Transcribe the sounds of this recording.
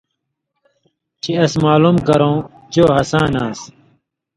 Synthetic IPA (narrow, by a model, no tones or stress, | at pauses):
t͡ɕiɐsmaːlumkɐɾõː | t͡ɕoːɦɐsãːnãːs